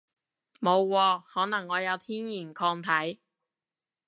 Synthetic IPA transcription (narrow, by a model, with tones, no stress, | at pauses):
mo˨˧wkɔː˧hɔː˨˥nɐ˨˩ŋːɔː˨˧jɐ˨˧wt̪ʰiː˥njiː˨˩nkʰɔː˧ŋt̪ʰɐ˨˥j